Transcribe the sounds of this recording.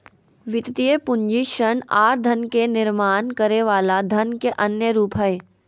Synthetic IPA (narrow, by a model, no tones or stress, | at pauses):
ʋɪt̪t̪iepʊ̃ɲd͡ʒiʃəɳaːɾd̪ʱɐnkenɪɾmaːnkəɾeʋaːlad̪ʱɐnkeʔɐnjəɾuːpɦɛe